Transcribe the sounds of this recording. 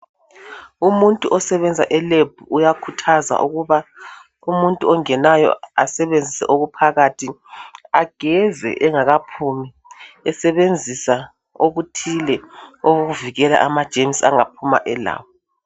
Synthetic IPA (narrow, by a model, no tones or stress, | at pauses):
umuntʼuʔɔsɛβɛnd͡zʱaʔɛleb̥̚ʱuːjakʰutʰaza̰ʔuɣuβa | umuntʼuɔŋɛnajɔ̰asɛβend͡zʱisɛ̰ʔoɣupʰaɣatʰiaɡ̥ʱɛzɛ̰ʔɛŋaɣapʰumi | ɛsɛβend͡zʱisa | oɣutʰilɛoɣoɣuviɣɛla̰ʔamad̥ʒ̥ʱemsa̰ŋapʰuma̰ʔɛla̰ːwɔ